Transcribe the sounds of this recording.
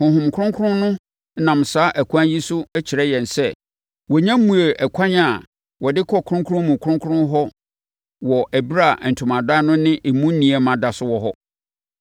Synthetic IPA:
hʊ̃˨ɦʊ̃˨m˨kʰʊ̃˦ŋkʰʊ˦ɾʊ̃˦nʊ̃˦ | nã˨m̩˨saː˨˦ʔæ˨kʰʷã˦nji˦sʊ˦ɛ˦t͡ɕʰi˨ɾɛ˦jɛ̃˨n˨sɛ˦˨ | wɔ˨ɲã˦m˦mːũ˨e˨ʔɛ˨kʷʰã˦ɲa˨ | wɔ˨dɪ˦kʰɔ˦˨kʰʊ˦ɾʊ̃˦ŋkʰʊ˦ɾʊ̃˦mũ˨kʰʊ̃˦ŋkʰʊ˦ʊ̃˦ɦɔ˦ | wɔ˨ʔæ˨bi˦ɾa˦˨n̩˨tʰʊ̃˨mã˨da˦nʊ̃˦nɪ̃˦ʔe˨mũ˦n̩˦nĩ˨ɛ˨mã˨da˨sʊ˦wɔ˨ɦɔ˦

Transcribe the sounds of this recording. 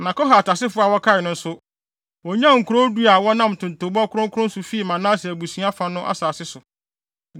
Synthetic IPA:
nã˨kɔ˦ɦa˨a˨tʰa˨sɪ˦fʊ˦a˨wɔ˦kʰa˦ɪ˨nʊ̃˦n̩˦sʊ˦ | wɔ˨ɲã˦˨ŋ̩˨kʰu˨ɾo˦du˦a˨wɔ˦nã˦m˨tʰʊ̃˨n˨to˨˦ba˦kʰʊ˦ɾʊ̃˦ŋ˦kʰʊ˦ʊ̃˦n̩˦sʊ˨fi˦i˨mã˨nã˦si˨æ˨bu˨sĩ˨˦a˦fã˨nʊ̃˦ʔa̰˦saː˨sɪ˦sʊ˨

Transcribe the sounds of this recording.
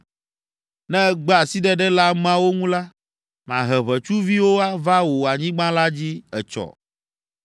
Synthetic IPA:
nɛ̃˦ɡ͡ba˨si˦ɖɛ˦ɖɛ˦la˦m˦ã˦wo˦ŋũ˦la˦ | mã˨ɦɛ˨βɛ˨t͡ʃu˦vi˦wo˦a˦va˦wo˨a˨ɲĩ˦ɡ͡bã˦la˦d͡ʑi˦ɛ˨t͡ʃɔ̰˨

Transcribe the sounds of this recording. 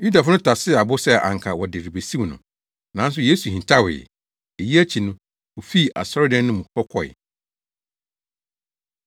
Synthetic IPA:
ju˦da˨fʊ˦nʊ̃˦tʰa˨sɪ˦˨a˨bʊ˦sɛ˦ʔa̰˨ŋ̩˨kʰa˨wɔ˨dɪ˨ɾi˨be˨sĩ˦wnʊ̰̃˨ | nã˨˦n˦s̬ʊ˨je˦su˨hĩ˨t͡ɕʰa˦wɪ̰˨ | e˨ji˦æ˦t͡ɕʰi˨nʊ̃˦ | wo˨fi˦˨ʔa̰˨sɔ˦ɾɪ˦dɛ̃˦nː˦ʊ̃˦mũ˨kʰɔ˦kʰɔ̰˨ɪ̰˨

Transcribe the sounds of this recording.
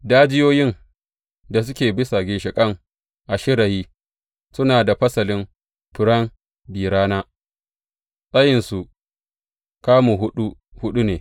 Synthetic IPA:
daː˦d͡ʒɪ˦joː˦jɪ˦n | da˨sʊ˦kʲeː˨bɪ˦sa˨ɡʲɪ˨nʃɪ˨kʼɐ˦ŋ | ʔa˨ʃɪ˦ɽa˨jiː˦ | sʊ˦naː˨da˨ɸɐ˦sɐ˨lɪ˦m | ɸɪ˨ɽɐ˦m | biː˨ɽaː˦naː˦ | sʼɐ˦jɪ˨nsu˨ | kaː˦mu˨ɦʊ˦ɗu˦ | hʊ˦ɗu˦neː˨

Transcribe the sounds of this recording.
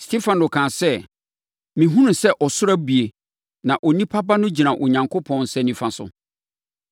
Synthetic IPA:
stʰe˦fã˨no˨kʰãː˨sɛ˦ | mĩ˨ɦũ˦nʊ̃˨sɛ˦ʔɔ˨sʊ˦ɾa˦bi˨e˨ | nã˨ʔɔ˨nĩ˦pʰa˦ba˦nʊ̃˦d͡ʑi˨nã˨ʔɔ˨ɲã˨ŋkʰʊ˦pʰɔ̃˦nsɛ˦nĩ˨fã˨sʊ̰˨

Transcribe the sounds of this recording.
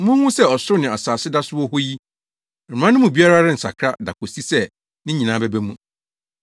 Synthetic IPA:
mʊ̃˦hũ˦sɛ˦˨ɔ˨sʊ˦ʊ˦nɪ̃˨a˨saː˨sɪ˦da˦sʊ˦wɔ˦hɔ˦ji˦˨ | ɾã˦nʊ̃˦mũ˨bi˦a˦ɾa˦ɾɪ˦n̩˨sa̰˨kʰɾa˦da˨kʰo˨si˦sɛ˦ | nɪ̃˦ɲĩ˨nã˨˦bɛ˦bæ˦mũ˦

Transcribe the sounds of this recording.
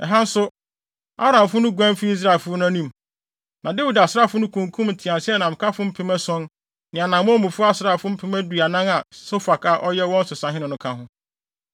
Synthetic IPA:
ɛ̰˨ɦã˦n̩˦sʊ˦ | a̰˦ɾã˨mfʊ˦nʊ̃˦ɡʷæ̃˦mfi˦i˦s̬ɾa˨lfʊ˦ʊ˦nʊ̃˦æ˦nĩ˦m | nʔã˨de˦wi˨da˨sɪ˦ɾa˦˨fʊ˦nʊ̃˦kʰũ˨ŋ˨kʰũ˦mn̩˨tʰɪ˨ã˨nsɛ˦ɛ˦nã˨m̩˨kʰa˦fʊ˦m̩˦pʰɪ˦mæ˦sɔ̃˦n | nɪ̃˨a˨nã˨mʊ̃˦mũ˨fʊ˦a˦sɾa˦˨fʊ˦m̩˦pʰɪ˦mæ˦dɥa˨nã˦ŋa˨so˦fa˨kʰa˨ʔɔ˦jɛ˦wɔ̃˦n̩˦sʊ˨sã˨ɦɪ̃˦nʊ̃˨nʊ̃˦kʰã˦ɦʊ̃˦

